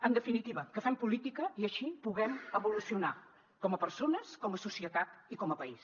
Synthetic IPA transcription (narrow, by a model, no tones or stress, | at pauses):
ənd̪əfinit̪iβəkəfɛmpulit̪ikəiəʃipuɣɛməβulusiuna | kɔməpəɾsonəskɔməsusiət̪at̪ikɔməpəis